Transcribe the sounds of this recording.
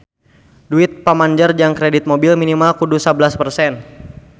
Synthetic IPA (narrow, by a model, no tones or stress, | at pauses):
duɪt̪̚pamaɲd͡ʒərd͡ʒaŋkɾedit̪̚mobilminimalkudusablaspərsɛn